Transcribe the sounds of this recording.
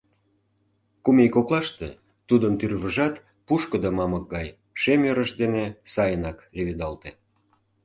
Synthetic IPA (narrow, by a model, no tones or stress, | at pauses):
kumejkoklˠɑʃt̪ḛ | t̪ud̪əmt̪yrβəʒɑt̪ | puʃkə̆d̪əmɑmək̚ɡɑj | ʃemøɾəʃd̪enesɑjənɑkleβed̪ɑlt̪e